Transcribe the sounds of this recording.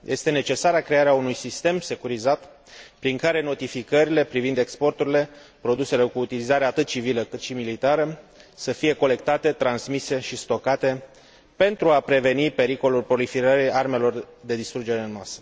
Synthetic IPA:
jʔe̞st̪e̞ne̞t͡ʃe̞saɾakɾe̞aɾeaunujsist̪e̞mse̞kuɾizat̪ | pɾiŋkaɾe̞no̞t̪ifikəɾile̞pɾivind̪e̞kspo̞rt̪uɾile̞ | pɾo̞d̪use̞le̞kuːt̪ilizaɾeat̪ɨt̪̚t͡ʃiviləkɨt̪ʃimilit̪aɾəsəfije̞ko̞le̞k̚t̪at̪e̞t̪ɾansmise̞ʃist̪o̞kat̪e̞ | pe̞nt̪ɾuapɾe̞ve̞nipe̞ɾiko̞lulpɾo̞lifiɾəɾiarme̞lo̞rd̪e̞d̪ist̪ɾud͡ʒe̞ɾe̞ɨnmasə̥

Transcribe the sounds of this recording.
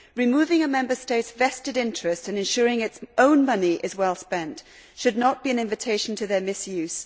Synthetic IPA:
ɹɨmʉvɪ̃ŋəmɛ̃mbə˞steɪtsvɛstɨɾɪ̃nt͡ʃɹ̥ɨstɨ̃nɨ̃nʃʊɹɪ̃ŋɨtsʔõʊ̃nmʌniʔɨzwɛlˠspɛ̃nt | ʃɨdⁿnət̚b̥iɨ̃nɪ̃ɱvɨtʰeɪʃn̩tʰɨðə˞mɪsjʉz̥

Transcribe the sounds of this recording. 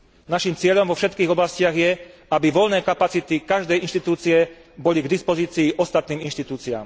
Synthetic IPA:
naʃimt͡sɪɛʎɔmvɔfʃɛt̪kiːɣɔblascɪaɣjɛabiʋɔʎnɛːkapat͡sit̪ikaʒd̪ɛjʔinʃt̪it̪uːt͡siɛ | bɔliɡd̪ispɔziːt͡siːʔɔst̪at̪niːminʃt̪it̪uːt͡sia̰ːm

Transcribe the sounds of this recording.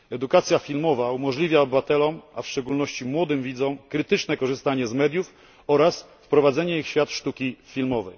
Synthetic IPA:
ɛd̪ukat̪sʲjafʲilmɔvaumɔʐlʲivʲjaɔbɘvat̪ɛlɔmafʂt͡ʂɛɡulnɔɕt͡ɕimwɔd̪ɘmvʲid̪zɔ̃w̃kɾɘt̪ɘt͡ʂnɛkɔʐɘst̪aɲɛzmɛd̪ʲjuf | ɔɾas | fpɾɔvad̪zɛɲɛixɕfʲjat̪ʂt̪ukʲifʲilmɔvɛj

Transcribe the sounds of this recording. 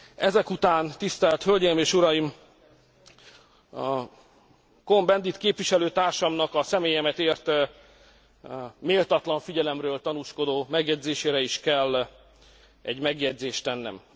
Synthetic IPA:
ɛzɛkut̪aːnt̪ist̪ɛlt̪hølɟɛjimeːʃuɾɒjim | ko̞mbɛnd̪it̪keːpʋiʃɛløːt̪aːrʃɒmnɒkɒsɛmeːjɛmɛt̪eːrt̪ | meːlt̪ɒt̪lɒɱfiɟɛlɛmrøːlt̪ɒnuːʃko̞d̪oːmɛɡjɛɟzeːʃeːɾɛiʃkɛlː | ɛɟmɛɡjɛɟzeːʃt̪ɛnːɛ̰m

